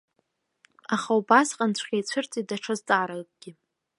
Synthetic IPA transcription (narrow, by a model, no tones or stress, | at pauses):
aχaubasqʼant͡ɕʷʰχʲʼejt͡ɕʷʰɨrt͡sʼidaʈ͡ʂʰazt͡sʼaːɾalkʼɡ̥ʲɪ